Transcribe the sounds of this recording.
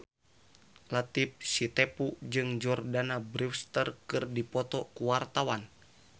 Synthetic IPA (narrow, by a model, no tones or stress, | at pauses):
lat̪ip̚sit̪ɛpud͡ʒɨŋd͡ʒɔrdanabɾifst̪ərkɨrdipɔt̪ɔkuwart̪awan